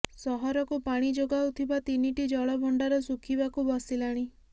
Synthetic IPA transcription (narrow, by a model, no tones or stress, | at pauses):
sɔɦɔɾɔkupaɽ̃id͡ʒoɡawt̪ʰibat̪iniʈid͡ʒɔɭɔbɔɳɖaɾɔsukʰibakubɔsilaɽ̃i